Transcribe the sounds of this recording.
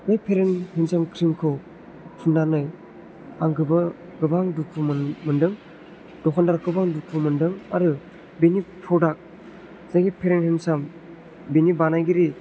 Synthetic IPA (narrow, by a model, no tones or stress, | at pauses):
najpʰeɾenhinsamkʰɾimkʰɯw | tʰundanɯj | aŋɡɯbɯ | ɡɯbaŋduk̚ʰumɯndɯŋ | dɔkʰandaɾakʰɯbaŋduk̚pʰumɯndɯŋaɾɯ | benipʰɾɔdak̚ | zaɡipʰeɾenhinsam | benibanajɡiɾi